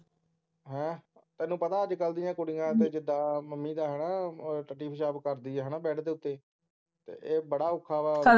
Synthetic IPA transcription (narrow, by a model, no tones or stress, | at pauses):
ɦɛ̃ːt̪ɛ̃ːnːũːpət̪aːəd͡ʒkəld̪iːjãːkʊɽɪjãːt̪eːd͡ʒɪd̪ːãːməmːiːd̪aːɦɛːnaːʈəʈːiːpʰəʃaːbkəɾd̪iːɛːɦɛːnaːbɛːʈʰd̪eːʊt̪ːeː | t̪ḛːʔeːbəɽaːʊkʰːaːʋaː